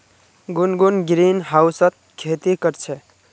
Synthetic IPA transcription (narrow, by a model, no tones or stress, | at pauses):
ɡunɡunɡɾinɦausət̪̚ | kʰet̪ikəɾt͡ʃʰɛ